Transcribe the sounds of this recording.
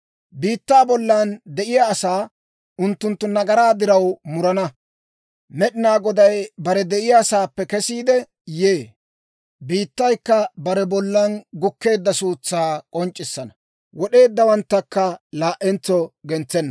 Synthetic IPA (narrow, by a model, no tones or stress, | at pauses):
biːt̪ːaːbɔlːand̪ɛʔɪjaːsaː | ʊnt̪ːʊnt̪ːʊnɐɡɐɾaːd̪ɪɾɐwmʊɾɐnɐ | mɛɗɪnaːɡɔd̪ɐjbɐɾɛd̪ɛʔɪjaːsaːpːɛkɛsiːd̪ɛ | jeː | biːt̪ːɐjkːɐbɐɾɛbɔlːɐnɡʊkːe̞ːd̪ːɐsuːt͡sːaːkʼɔnt͡ʃʼːɪsːɐnɐ | wɔɗe̞ːd̪ːɐwɐnt̪ːɐkːɐlaːʔɛnt͡sːɔɡɛnt͡sːɛnːɐ